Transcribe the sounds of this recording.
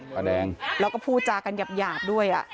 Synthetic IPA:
sa˧dɛː˧ŋɾɛː˧˥wkɔː˥˩pʰuː˥˩t̪̚t͡ɕaː˧˩kːa˧nka˨˩p̚jaː˨˩p̚du˥˩əjʔa̰˨˩ʔ

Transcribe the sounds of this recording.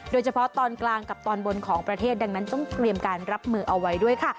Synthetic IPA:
doː˧jt͡ɕʰa˧pʰɔ˦˥t̪ɔː˧nklaː˧ŋka˨˩p̚t̪ɔː˧nbo˧nkʰɔː˩˦ŋpɾa˧t̪ʰeː˥˩t̪̚da˧ŋna˦˥nt͡ɕɔ˥˩ŋt̪ɾi˧əmkaː˧nɾa˦˥p̚mɯː˧ʔa˧wːa˦˥jdu˥˩əjkʰa˥˩

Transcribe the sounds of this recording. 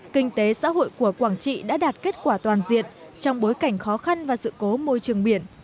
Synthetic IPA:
kï˧ŋ̟t̪e˨˦sa̰ː˧˥ho̰˧˨jku˧˩əkwaː˧˩ŋt͡ɕḭ˧˨ɗa̰ː˧˥ɗaː˨˩t̚ke˦˥t̚kwaː˧˩t̪waː˨˩nzḭ˧˨ən | t͡ɕɔ˧wŋ͡mɓo˨˦jka˧˩jŋ̟xɔ˨˦xa˧nvaː˨˩sɨ̰˧˨ko˨˦mo˧jt͡ɕɨ˨˩əŋɓi˧˩ən

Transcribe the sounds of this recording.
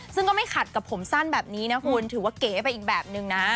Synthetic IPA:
sɯ˥˩ŋkɔː˥˩ma˥˩jkʰa˨˩t̪̚ka˨˩pʰo˩˦msa˥˩nbɛː˨˩p̚niː˦˥na˦˥kʰu˧nt̪ʰɯː˩˦waː˥˩keː˩˦pa˧jʔiː˨˩k̚bɛː˨˩p̚nɯ˨˧ŋna˦˥

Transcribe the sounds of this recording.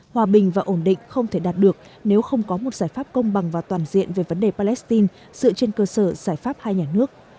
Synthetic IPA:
hwaː˧˩ɓï˨˩ŋ̟vaː˨˩ʔo˧˩nɗḭ̈˧˨ŋ̟xə˧wŋ͡mt̪ʰe˧˩ɗaː˨˩t̚ɗɨ˨˩ək̚ | ne˨˦wxə˧wŋ͡mkɔ˨˦mo˨˩t̚z̥aː˧˩jfaː˦˥p̚kə˧wŋ͡mɓa˨˩ŋvaː˨˩t̪waː˧˩nzḭ˧˨ənve˨˩və˨˦nɗe˨˩paː˧lɛ˦˥st̪i˧n | z̥ɨ̰˧˨t͡ɕe˧nkəː˧səː˧˩z̥aː˧˩jfaː˦˥p̚haː˧jɲaː˨˩nɨ˦˥ək̚

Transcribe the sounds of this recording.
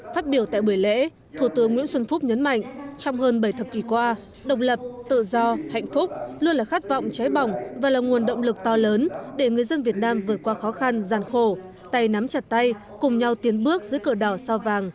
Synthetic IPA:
faː˦˥t̚ɓi˧˩əwt̪a̰ː˧˨jɓu˧˩əjlḛ˧˥ | t̪ʰu˧˩t̪ɨ˨˦əŋːwḭ˧˥ənswə˧nfʊ˦˥k͡p̚ɲə˨˦nma̰˧˨jŋ̟t͡ɕɔ˧wŋ͡mhəː˧nɓə˧˩jt̪ʰə˨˩p̚ki˧˩kwaː˧ | ɗə̰˧˨wŋ͡m̚lə˨˩p̚t̪ɨ̰˧˨zɔ˧ha̰˧˨jŋ̟fʊ˦˥k͡p̚lu˧ənlaː˨˩xa˦˥t̚vɔ̰˧˨wŋ͡mt͡ɕa˨˦jɓɔ˨˩wŋ͡mvaː˨˩laː˨˩ŋu˨˩ənɗə̰˧˨wŋ͡mlɨ˨˩k̚t̪ɔ˧ləː˨˦nɗe˧˩ŋɨ˨˩əjzə˧nvi˨˩ət̚naː˧mvɨ˨˩ət̚kwaː˧xɔ˨˦xa˧nzaː˨˩nxo˧˩ | t̪a˧jna˨˦mt͡ɕa˨˩t̚t̪a˧j | kʊ˨˩ŋ͡mɲa˧wt̪i˨˦ənɓɨ˦˥ək̚zɨ̰˧˥əkəː˧˩ɗɔ˧˩sa˧vaː˨˩ŋ

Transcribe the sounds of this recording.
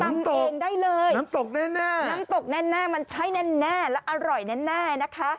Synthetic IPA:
na˧˦˧mt̪o˨eː˩˧ŋdaː˥˩jlɤː˧jna˦˥t̪o˨˩k̚nɛː˥˩nɛː˥˩na˦˥mt̪o˨˩k̚nɛː˥˩nɛː˥˩ma˧nt͡ɕʰa˦˥jnɛː˥˩nɛː˥˩lɛ˦˥ʔa˧ɾɔ˨˩jnɛ˦˥nɛː˥˩na˦˥kʰa˦˥ʔ

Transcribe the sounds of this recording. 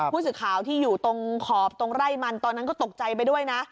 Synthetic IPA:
u˥˩s̬ɯː˨˩kʰaː˨˩˦wt̪ʰiː˥˩juː˨˩t̪o˧ŋkʰɔː˨˩p̚t̪o˧ŋɾa˥˩jma˧nt̪ɔː˧nːa˦˥nkɔː˥˩t̪o˨˩k̚t͡ɕa˧jp̬a˧jdu˥˩əjna˦˥ʔ

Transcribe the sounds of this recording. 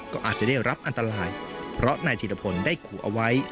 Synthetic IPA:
kɔː˥˩ʔaː˨˩t̪̚t͡ɕa˨˩da˥˩jɾa˦˥p̚ʔa˧nt̪a˧ɾaː˧jpʰɾɔ˦˥ʔna˧jt̪ʰiː˨˩a˧pʰo˧ndaː˥˩jkʰuː˨˩˦ʔa̰˧wa˦˥j

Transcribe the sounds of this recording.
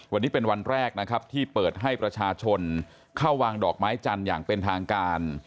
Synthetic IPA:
wa˧nːiː˦˥pe˧nwa˧nɾɛː˥˩k̚na˦˥kʰa˦˥p̚t̪ʰiː˥˩pɤː˨˩t̪̚ɦa˥˩jpɾa˧t͡ɕʰaː˧t͡ɕʰo˧n | kʰaː˥˩waː˧ŋdɔː˨˩k̚maː˦˥jt͡ɕa˧nja̰ː˨˩ŋpe˧nt̪ʰaː˧ŋkaː˧n

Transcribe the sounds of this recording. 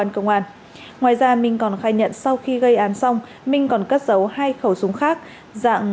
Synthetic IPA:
aː˧nkə˧wŋ͡mʔaː˧˩n | ŋwaː˨jzaː˧mï˧˩ŋ̟kɔ˨˩nxaː˧˩jɲə̰˧˨nsa˧wxi˧ɣə˧jʔaː˨˦nsa˧wŋ͡m | mï˨˧ŋ̟kɔ˨˩nkə˦˥t̚zə˨˦whaː˧jxə˧˩wsʊ˨˦ŋ͡mxaː˦˥k̚ | za̰ː˧˨ŋ

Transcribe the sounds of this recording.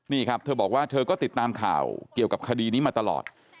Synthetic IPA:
niː˥˩kʰɾa˦˥p̚t̪ʰɤː˧bɔː˨˩k̚waː˥˩t̪ʰɤː˧kɔː˥˩t̪i˨˩t̪ːaː˧mkʰa̰ː˨˩wki˨˩əwka˨˩p̚kʰa˧diː˧niː˦˥maː˧t̪a˧lɔ̰ː˨˩t̪̚

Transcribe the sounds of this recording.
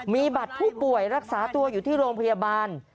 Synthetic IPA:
miː˧ba˨˩t̪̚pʰuː˥˩pu˨˩əjɾa˦˥k̚saː˩˦t̪u˧ɐjuː˨˩t̪ʰiː˥˩ɾoː˧mpʰa˧ja˧baː˧n

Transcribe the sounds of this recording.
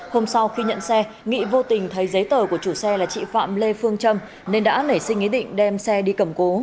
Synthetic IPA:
ho˧msa˧wxi˧ɲə̰˧˨nsɛ˧ | ŋḭ˧˨vo˧t̪ï˨˩ŋ̟t̪ʰə˨˦jzə˨˦jt̪əː˧˩ku˧˩ət͡ɕu˧˩sɛ˧laː˨˩t͡ɕḭ˧˨fa̰ː˧˨mle˧fɨ˧əŋt͡ɕə˧m | ne˧nɗa̰ː˧˥nə˧˩jsï˧ŋ̟ʔi˨˦˥ɗḭ̈˧˨ŋ̟ɗɛ˧msɛ˧ɗi˧kə˧˩mko˨˦

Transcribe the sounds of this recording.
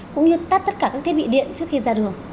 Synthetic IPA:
kʊ̰˧˥ŋ͡mɲɨ˧t̪aː˦˥t̪ə˦˥t̚kaː˧˩kaː˦˥kt̪ʰe˦˥ɓḭ˧˨ɗḭ˧˨ənt͡ɕɨ˦˥əkxi˧zaː˧ɗɨ˨˩əŋ

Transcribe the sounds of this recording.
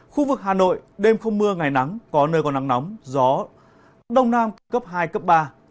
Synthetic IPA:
xu˧vɨ˨˩k̚ɦaː˨˩no̰˧˨jɗe˧mxə˧wŋ͡mmɨ˧əŋa˨˩jna˨˦ŋkɔ˨˦nəː˧jkɔ˧na˨˦ŋna˨˦wŋ͡mzɔ˨˦ | ɗə˧wŋ͡mnaː˧mk̪kə˦˥p̚ɦaː˧jkə˦˥p̚ɓaː˧

